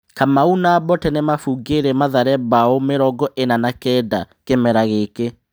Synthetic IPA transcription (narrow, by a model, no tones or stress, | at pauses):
kamaunabɔtɛnɛmafuɡeɾɛmaðaɾɛbaomeɾɔɡɔʔenanakɛːda | kemɛɾaɣeke